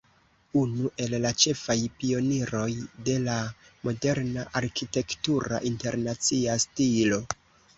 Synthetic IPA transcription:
unuʔe̞llat͡ʃe̞fajpio̞niɾo̞jde̞lamo̞de̞ɾnaʔaɾkite̞ktuɾa̰ʔinte̞ɾnat͡siastilo̞

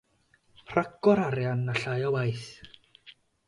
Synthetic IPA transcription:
r̥aɡɔɾaɾjanːaɬajɔwajθ

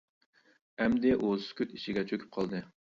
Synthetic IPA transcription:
ɛmd̪ɪʔozskʲʰøt̪iʃiɡʲɛt͡ʃʰøkʲʰy̥p̚qʰɑlˠd̪ɨ

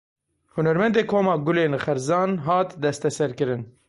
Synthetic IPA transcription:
hunɛɾmɛnd̪eːkʰoːmɑːɡʊleːnχɛɾzɑːnɦɑːt̪d̪ɛst̪ɛsɛɾkɨɾɨn

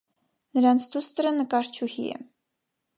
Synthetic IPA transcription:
nəɾɑnt͡sʰd̪ust̪əɾənəkɑɾt͡ʃʰuhḭɛ̰

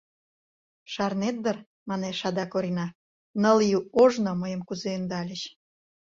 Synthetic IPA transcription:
ʃɑrnet̪̚d̪ər | mɑneʃɑd̪ɑkoɾʲinɑ | nəljuoʒnŏməjəmkuzeønd̪ɑlʲəɕ

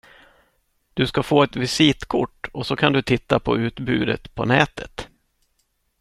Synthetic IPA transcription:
d̪̥ɵskafoːɛt̪vɪsit̪kʰʊʈːɔsɔkʰand̪ɵt̪ʰɪt̪ːapʰɔ̰ʉ̟ːt̪bʉ̟̰ːd̪ə̰t̪pʰɔ̰nɛːt̪ʰət̪

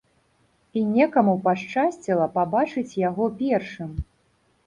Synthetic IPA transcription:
inʲɛkɐmupaʂt͡ʂasʲt͡sʲilˠɐpabat͡ʂɨt͡sʲjaɣɔpʲɛrʂɨm

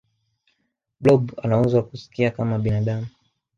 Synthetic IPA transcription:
blɔɓa̰nauzwakusi̥kiakamaɓinaɗamu

